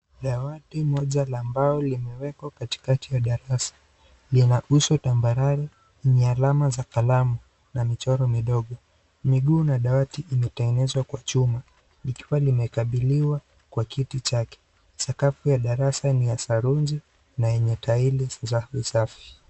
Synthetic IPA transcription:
ɗawatimɔʄalaːmbaɔlimɛwɛkwakati̥katijaɗaɾasḁ | linaʔusɔtambaɾaɾɛ | iɲɛalamazakalamu | namit͡ʃɔɾɔmiɗɔɠɔ | miɠuːnaɗawatiʔimɛtɛŋɡɛnɛzwakwat͡ʃuma | ikiwalimɛkaɓiliwa | kwakitit͡ʃakɛ̥ | sakafujaɗaɾasanijasaɾund͡ʒi | najɛɲɛtailizaisafi̥

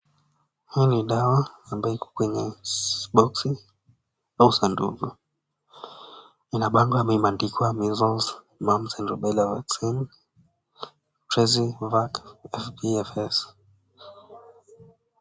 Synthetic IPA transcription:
hiniɗawaːmbajɔikʰɔ̥kwɛɲɛɓɔksi | ausandṵɡɔ | inaɓaŋɡɔamɛimandikiamizɔlz | mam̩sɛnɾɔɓɛlavaksin | pɾɛzivakɛfpiɛfɛs

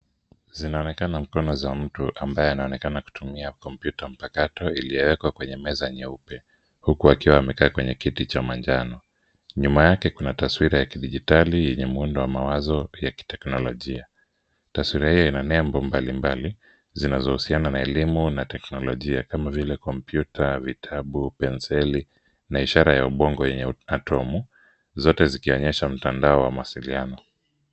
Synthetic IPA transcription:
zinaɔnɛkanam̩kɔnɔzam̩tuʔambajɛanaɔnɛkanaku̥tumiakɔmpjutam̩pakatɔilijɛwɛkwakwɛɲɛmɛzaɲɛupɛ | hukuakiwaːmɛkaːkwɛɲɛkitit͡ʃamand͡ʒanɔ | ɲumajakɛkunataswiɾajakiɗiʄitalijɛɲɛmuundɔwamawazɔjaki̥tɛknɔlɔʄia | taswiɾahijɔinanɛmbɔmbalimbali | zinazɔhusiananaɛlimunatɛknɔlɔʄiakamavilɛkɔmpjutavitʰaɓupɛnsɛli | naiʃaɾajauɓɔŋɡɔjɛɲɛatʰɔmu | zɔtɛzikiɔɲɛʃam̩tandaɔwamuwasilianɔ

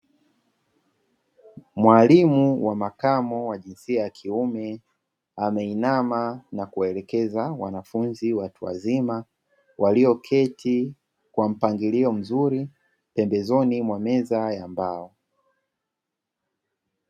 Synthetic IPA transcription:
mwalimuwamakamɔwaʄinsiajakʰiumɛ | amɛinamanakuwaɛlɛkɛzawanafunziwatua̰zima | waliɔkʰɛtʰi | kwam̩paŋɡiliɔm̩zuɾi | pɛmbɛzɔnimwamɛzajambaɔ

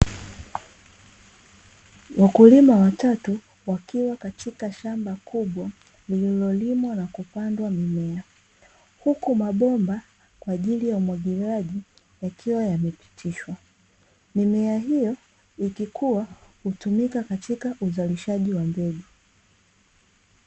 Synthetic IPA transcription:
wʔakulimawatatu | wakiwakatʰikaʃambakʰuɓwa | lililɔlimwanakupandwamimɛa | hukumaɓɔmba | kwaːʄilijaumwaɠizaʄi | jakʰiwajamɛpi̥tʰiʃwa | mimɛaɦijɔ | ikikʰuwahutumikakatikaʔuzaliʃaʄiwambɛɡu

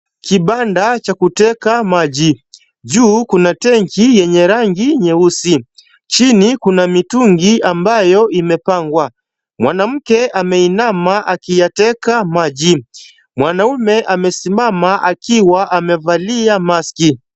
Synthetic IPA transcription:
kiɓandat͡ʃakutɛkamaʄi | ʄuːkunatɛŋkijɛɲɛɾaŋɡiɲɛusi | t͡ʃinikunamituŋɡiambajɔʔimɛpaŋɡwa | mwanam̩kɛʔamɛinamaʔakijatɛkamaʄi | mwanaumɛʔamɛsimamaʔakiwaʔamɛvaliamaski

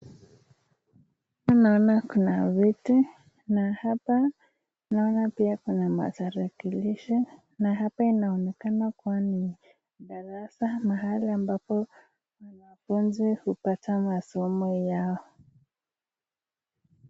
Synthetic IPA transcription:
anaɔnakunavitu | nahapa | naɔnapiakunama̰taɾakiliʃi | naɦapainaɔnɛkanakuwani | ɗaɾasamaɦaliambapɔ | wanafunzihupatamasɔmɔjaɔ

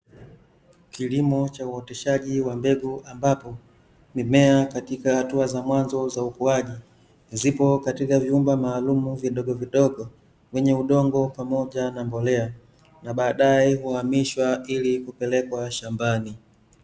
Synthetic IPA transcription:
kilimɔt͡ʃauɔtɛʃaʄiwambɛɡuambapɔ | nimɛakatikahatuazamwanzɔzaukuaʄi | zipɔkatikavjiumbamaːlumuviɗɔɡɔviɗɔɡɔ | wɛɲɛuɗɔŋɡɔpamɔʄanambɔlɛa | naɓaːɗaɛhuhamiʃwailikupɛlɛkwaʃambani

